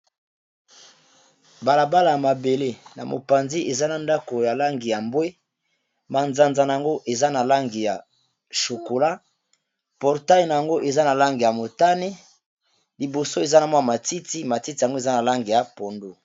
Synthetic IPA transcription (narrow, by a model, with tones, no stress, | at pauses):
ba˨la˨ba˦la˨ja˨ma˨be˨le˦na̰˨mo̰˨pa˨nzi˦ʔe˨za˦na˨nda˦ko˨ja˨la˦ŋɡi˨ja˨mbwe˦ | ma˨nza˨nza˨na˨a˨ŋɡo˦ʔe˨za˦na˨la˦ŋɡi˨ja˨ | ʃo˨ko˨la˦ | pɔ˨ʁta˦jna˨ja˨ŋɡo˦ʔe˨za˦na˨la˦ŋɡi˨ja˨mo˨ta˦ne˦ | li˨bo˨so˦e˨za˦na˨mwa˦˨ma˨ti˦ti˦ma˨ti˦ti˨ja˨ŋɡo˦e˨za˦na˨la˦ŋɡi˨ja˨po˨ndu˦